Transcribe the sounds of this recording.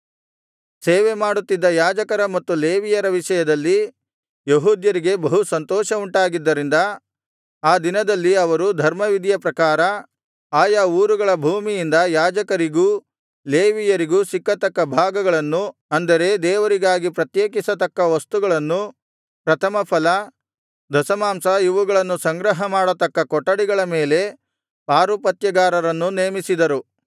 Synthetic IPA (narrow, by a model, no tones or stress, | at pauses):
seːʋemaːɽut̪ːid̪ːɐjaːd͡ʒɐkɐɾɐmɐt̪ːuleːʋijɐɾɐʋiʃɐjɐd̪ɐlːi | jeɦuːd̪jɐɾiɡe̞bɐɦusɐnt̪ɔːʃɐuɳʈaːɡid̪ːɐɾind̪ɐ | aːd̪inɐd̪ɐlːiɐʋɐɾud̪ʱɐɾmɐʋid̪ʱjɐpɾɐkaːɾɐ | aːjauːɾuɡɐɭɐbʱuːmijind̪ɐjaːd͡ʒɐkɐɾiɡuː | leːʋijɐɾiɡusikːɐt̪ɐkːɐbʱaːɡɐɡɐɭɐnːuɐnd̪ɐɾe̞d̪ɛːʋɐɾiɡaːɡipɾɐt̪jeːk̬isɐt̪ɐkːɐʋɐst̪uɡɐɭɐnːu | pɾɐt̪ʰɐmɐpʰɐlɐ | d̪ʱɐsɐmaːmsɐiʋuɡɐɭɐnːusɐŋɡɾɐɦɐmaːɽɐt̪ɐkːɐkɔʈːɐɽiɡɐɭɐmeːle̞ | paːɾupɐt̪jɐɡaːɾɐɾɐnːuneːmisid̪ɐɾu